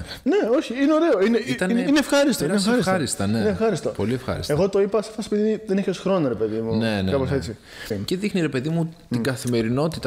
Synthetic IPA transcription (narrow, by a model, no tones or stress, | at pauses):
ne̞o̞çiineo̞ɾe̞oineit̪ɐnneinefxɐɾist̪onesxɐɾisxɐɾist̪ɐneineefxɐɾist̪opo̞̰liefxɐ̰ɾḭste̞ɣo̞t̪o̞ipɐseftɐspit̪tiðeneçesxɾo̞nɐɾepe̞ðimunnenekɐposet͡si | ce̞ðixniɾe̞pe̞ðimut̪iɡɐθime̞ɾino̞t̪it̪ɐ